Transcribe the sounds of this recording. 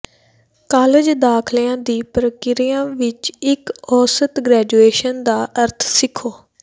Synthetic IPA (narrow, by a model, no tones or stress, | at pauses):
kaːled͡ʒd̪aːkʰlijãːd̪iːpɾəkɪɾijãːʋɪt͡ʃɪkɔːsət̪ɡɾɛːd͡ʒueːʃənd̪aːʔəɾt̪ʰsɪkʰːoː